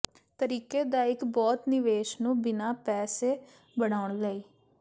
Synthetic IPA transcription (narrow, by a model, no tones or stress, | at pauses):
t̪əɾiːkeːd̪aːɪkbɔːt̪nɪʋeːʃnũːbɪnaːpɛːseː | bəɽ̃aːʊɳləiː